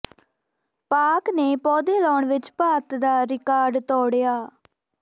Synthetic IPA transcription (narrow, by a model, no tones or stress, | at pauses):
paːkneːpɔːd̪eːlɔːɳʋɪt͡ʃpaːt̪d̪aːɾɪkaːɾɖt̪ɔːɽjaː